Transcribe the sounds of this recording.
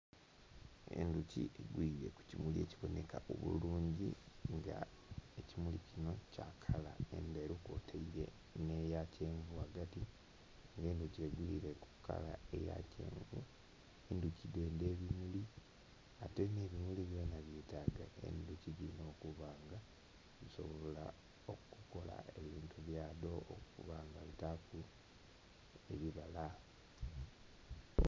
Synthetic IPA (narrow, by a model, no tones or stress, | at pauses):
e̞̰nducḭeɡwiɾe̞ku̥cimulieːciβo̞ne̞kaʔoβṵluːɲɟi | ŋɡa | ecimulicino̞cakʰalaḛndeɾuko̰tʰaiɾe̞̰ | nejace̞ːɱɡuaɡati | ŋɡe̞ːnduceɡwiɾe̞ku̥kːa̰la̰e̞ja̰cḛːŋɡu | enducide̞ːnde̞ːβimuli | ateneːβimuliβjo̞ːnaβjitaɡa̰ḛnducidino̞ːkuβaːŋɡa | βiso̞̰βoola | okuko̞la̰e̞βiːntuβjaːdo̞ːkṵβaːŋɡaβitaku | e̞̰βiβala